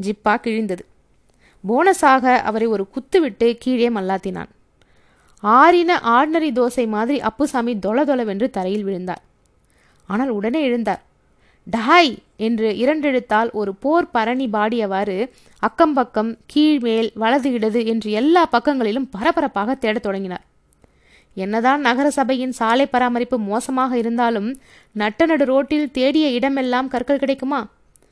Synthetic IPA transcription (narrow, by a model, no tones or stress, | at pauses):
d͡ʒɪpːaːkɪɻɪnd̪ɐðɯ | boːnɐsaːɣɐʔɐ̰ʋɐɾɐɪɔɾɯkʊt̪ːɯʋɪʈːɯkiːɻeːmɐlːaːt̪ːɪna̰ːn | aːɾɪnɐʔaːɽnɐɾid̪oːsɐɪmaːðɪɾiʔɐpːɯsaːmid̪ɔɭɐðɔlɐʋɛndrɯt̪ɐɾɐjɪlʋɪɻɯnd̪a̰ːɾ | aːnaːlʊɽɐneːɛɻɯnd̪a̰ːɾ | ɖaːjɛndrɯɪɾɐɳɖɛɻɯt̪ːaːlʔɔɾɯpoːɾpɐɾɐɳibaːɽɪjɐʋaːɾɯ | ɐkːɐmpɐkːɐmkiːɻmeːlʋɐɭɐðɯjɪɽɐðɯɛndrɯɛlːaːpɐkːɐŋɡɐɭɪlɯmpɐɾɐpɐɾɐpːaːɣɐt̪ːeːɽɐt̪ːɔɽɐŋɡɪna̰ːɾ | ɛnːɐðaːnnɐɣɐɾɐsɐbɐjɪnsaːlɐɪpːɐɾaːmɐɾɪpːɯmoːsɐmaːɣɐɪɾɯnd̪aːlɯm | nɐʈːɐnɐɽɯɾoːʈːɪlt̪eːɽɪjɐɪɽɐmɛlːaːmkɐɾkɐɭkɪɽɐɪkːɯmaː